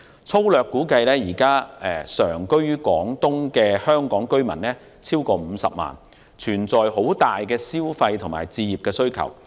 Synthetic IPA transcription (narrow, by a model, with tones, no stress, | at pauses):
t͡sʰo˥wlœː˨kːuː˨˥kɐ˧jlɛː˥jiː˨˩kaː˥ɛ˨˩sœː˨˩ŋkɵ˥ɥkɔː˨˥ŋt̪ʊ˥ŋkɛː˧hœː˥ŋkɔː˨˥ŋkɵ˥ɥmɐ̰˨˩nlɛː˥ | t͡sʰiː˥wkɔː˧m̩ː˨˧sɐ̰˨p̚ma̰ː˨˩n | t͡ʃʰyː˨˩nt͡sɔː˨jho˨˥wt̪aː˨jkɛː˧siː˥wfɐ˧jt̪ʰʊ˨˩ŋma̰ː˨˩jt͡siː˧jiː˨p̚kɛː˧sɵ˥ɥkʰɐ̰˨˩w